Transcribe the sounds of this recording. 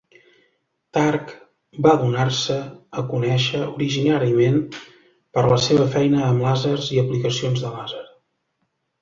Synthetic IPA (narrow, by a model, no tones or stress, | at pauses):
t̪ark | baðunarsəːkunɛʃəuɾiʒinaɾiəmen | pəɾləseβ̞əfɛjnəːmlazərziəplikəsionzðəlazəɾ